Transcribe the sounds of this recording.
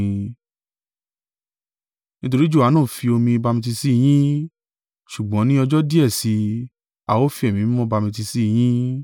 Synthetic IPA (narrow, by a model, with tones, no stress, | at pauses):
nĩ˦t̬o˧ɾi˦d͡ʒu˦˨a˨˦nãː˦˨fi˧o˧mĩ˧ba˧mĩ˧t̬i˧si˦˨j̃ĩ˦ | ʃu˨ɡ͡bɔ̃˨˦nĩ˦ɔ˧d͡ʒɔ˦di˦ɛ˦˨si˧ | a̰˨wo˦fi˧˦ɛ˨mĩ˨˦mɔ̃˦ba˧mĩ˧t̬i˧si˦˨j̃ĩ˦